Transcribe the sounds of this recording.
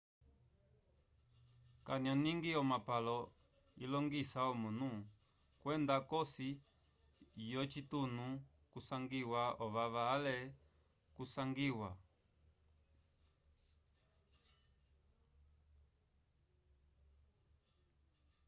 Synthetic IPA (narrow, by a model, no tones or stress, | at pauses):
kaniɔniŋɡiɔmapalɔ | ḭlɔŋɡisaɔmunu | kwɛndakɔsi | jɔt͡ʃitunu | kusaŋɡiwaɔβaβalɛ | kusaŋɡiwa